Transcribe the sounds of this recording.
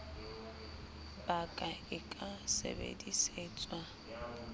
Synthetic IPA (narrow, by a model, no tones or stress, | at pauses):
bakʼaɪkʼasḛbḛdiseːt͡sʼwa